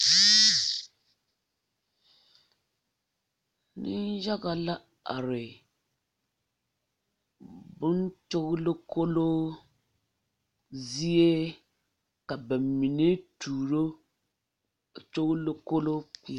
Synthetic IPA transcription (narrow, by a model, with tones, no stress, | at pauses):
nɨ˦nʒa˦ɣa˨la˦ | a̰˨ɾɪ˨ | bʊ˦nt͡ʃo˦ɣʊ˦lo˦ko˦lo˦ | zi˦je˦ | ka˨ba˨mːi˨ne˦tuː˨ɾo˦˨ | t͡ʃo˦ɣlo˦ko˦lo˦k͡pi˦˨